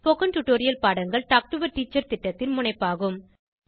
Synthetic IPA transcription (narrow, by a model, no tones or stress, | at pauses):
pɔɣɐnʈʊʈːoːɾɪjɐlpaːɽɐŋɡɐɭʈaːk̚ʈʊʋɐɾʈiːt͡ʃːɐɾt̪ɪʈːɐt̪ːɪnmʊɳɐɪpːaːɣɯm